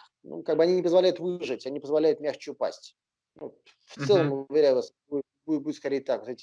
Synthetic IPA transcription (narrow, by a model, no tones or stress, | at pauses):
nṵkaɡ̚bɨɐnʲinʲɪpəzvɐlʲæjʊt̪vɨʐɨtʲanʲipəzvɐlʲæjʊt̪mʲaxt͡ɕɪʊpa̰sʲtʲ | nu | ft̪sɛlˠəmʊvʲɪɾʲæjʊvasbu | buɪt̪buɪt̪skɐɾʲejɪt̪akvot̪etʲɪ